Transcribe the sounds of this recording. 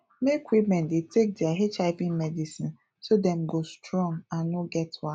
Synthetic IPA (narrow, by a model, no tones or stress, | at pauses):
mekwipmɛ̃ndetʰek̚diaɦet͡ʃaɪpĩnmɛdisĩn | sodɛ̃m̩ɡostɾɔ̃ŋãnoɡɛtwa